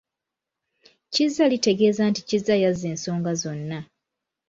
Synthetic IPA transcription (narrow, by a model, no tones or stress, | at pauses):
cizːalite̞ɡe̞ːzanticizːajaze̞ːnso̞ːŋɡazo̞nːa